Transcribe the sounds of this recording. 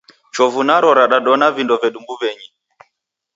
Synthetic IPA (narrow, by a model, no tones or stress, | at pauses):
t͡ʃɔvunaɾɔɾaɗaɗɔnavindɔvɛɗumbuβɛɲi